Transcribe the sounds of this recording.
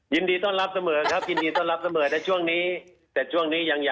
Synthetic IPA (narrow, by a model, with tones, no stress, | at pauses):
ji˧ndiː˧t̪ɔ˥˩ŋɾa˦˥p̚sa˧mɤː˩˦kʰɾa˦˥p̚ji˧ndiː˧t̪ɔ˥˩ŋla˦˥p̚sa˧mɤː˩˦t̪ʰɛː˧˥t͡ɕʰu˥˩əŋniː˦˥ | t̪ɛː˨˩t͡ɕʰu˥˩əŋniː˦˥ja˧ŋja˨˩